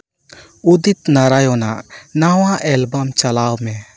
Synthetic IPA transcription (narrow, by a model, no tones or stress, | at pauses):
ud̪it̪naɾajɔnaʔnawaʔɛlbamt͡ʃalawmɛ